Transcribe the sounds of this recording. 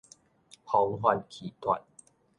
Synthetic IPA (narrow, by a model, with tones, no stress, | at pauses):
hɔ˨˦ŋɦwa˧˨n̚kʰi˨˩t̪ʰwa̰˨˩t̚